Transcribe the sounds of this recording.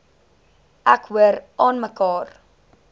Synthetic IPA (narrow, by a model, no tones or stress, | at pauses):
ʔækɦuəɾʔɑːnməkɑːr